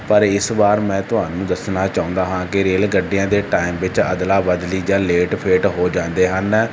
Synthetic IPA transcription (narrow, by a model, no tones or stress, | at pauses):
pəɾɪsbaːɾmɛ̃ːt̪ʊɦaːnũːd̪əsnaːt͡ʃaːʊ̃ːnd̪aːɦãːkɪɾeːlɡəɖːɪjãːd̪eːʈaːɪmʋɪt͡ʃə̰d̪laːbəd̪liːd͡ʒaːleːʈpʰeːʈɦoːd͡ʒãːnd̪eːɦən